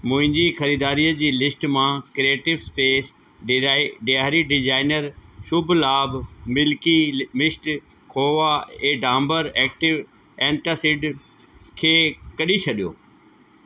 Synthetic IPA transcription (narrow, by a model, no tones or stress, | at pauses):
mʊ̃ɦɪ̃ɲd͡ʑixɐɾiːd̪aːɾijəd͡ʑiːlɪsʈmãkɾeːʈɪʋspeːs | ɖɪaːɾiɖɪd͡ʑaːɪnəɾʃʊbʱlaːbmɪlkimɪsʈ | kʰoːʋaẽːɖãːmbəɾɛːk̚ʈɪʋ | ɛ̃ːɳʈasɪɖ | kʰeːkɐɗit͡ɕʰɐɗijo̰ː